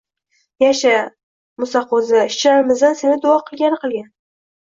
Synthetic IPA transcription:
jaʃa | mʊsɑqozɪɪʃt͡ʃʰlaɾɪmɪzd̪ansenɪd̪ʊɒqʰɨlˠɡʲanɪqʰɨlˠɡʲan

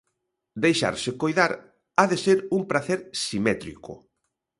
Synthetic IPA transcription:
d̪ejʃa̰ɾsɪkojðaɾ | aðeseɾuŋpɾaθeɾsimɛt̪ɾḭkʊ̰

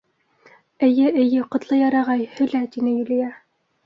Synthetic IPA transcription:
ɘ̆jɘʔɘ̆jɘqŏt̪lˠɤjɑɾɑʁɑjhɵ̆læt̪inɘjɵ̆lĭjæ

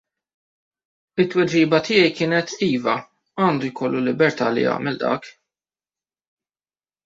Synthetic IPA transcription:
ɪt̪ːwɛd͡ʒiːbɐt̪ɪjɛjkɪːnɛt̪iːvɐ | ɐːnd̪ujkʰɔlːulːɪbɛɾt̪ɐ̰ːlḭjɐ̰ːmɛld̪ɐ̰ːk

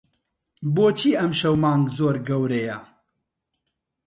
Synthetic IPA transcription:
boːt͡ʃʰiːɐmʃɐwmɑːŋɡzoːɾɡɐwɾejɐ

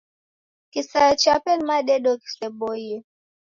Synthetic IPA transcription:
kisat͡ʃapɛnmaɗɛɗɔki̥sɛboje

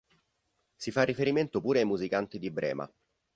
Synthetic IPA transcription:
sifarːifeɾiment̪opuːɾeajmuzikant̪id̪ibɾʔɛ̰ːma̰

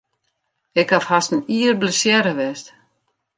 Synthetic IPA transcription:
ɪkhafhastən̩iərbləsjɛɾəʋɛst

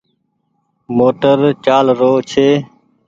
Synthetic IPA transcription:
moːʈəɾt͡ʃaːlɾoːt͡ʃʰeː

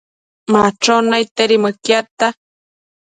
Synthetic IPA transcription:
maʈ͡ʂonajt̪eɾimɨkjat̪a

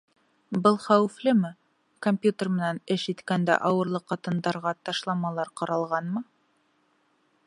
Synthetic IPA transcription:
bɤlˠχæwɘ̆flɘmɘ | komʲpʲjut̪ermɘ̆nænɘʃit̪kænd̪æ̰ʔɑwɤ̆ɾlˠɤqːɑt̪ɤ̆nd̪ɑɾʁɑt̪ɑʃlˠɑmɑlˠɑɾqɑɾɑlˠʁɑnmɤ

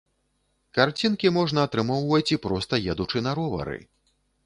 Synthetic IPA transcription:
kart͡sʲinkʲimɔʐn̪ɐːt̪ɾɨmɔwvɐt͡sʲipɾɔst̪ɐjɛd̪ut͡ʂɨnɐɾɔvɐ̰ɾɨ̰

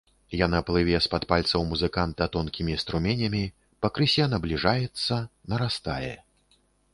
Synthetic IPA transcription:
janaplˠɨvʲɛspat̪palʲt̪sɐwmuzɨkant̪at̪ɔnkʲimʲist̪ɾumʲɛnʲɐmʲi | pɐkɾɨsʲɛnɐblʲiʐajɛt̪sːɐnɐɾast̪a̰jɛ

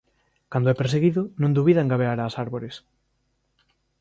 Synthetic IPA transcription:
kand̪oʊɛpeɾs̬eɣiðʊnõnd̪uβiðaẽŋɡaβeaɾaːsaɾβoɾes

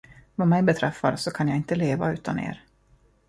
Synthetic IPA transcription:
vamɛjbɛt̪ʰɾɛfːa̰ɾsɔkʰanjaɪnt̪əleːva̰ʉ̟ːt̪anḛːɾ

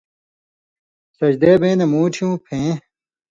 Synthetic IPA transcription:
sɐd͡ʑd̪eːbẽːnemuːʈʰijũːpʰẽː

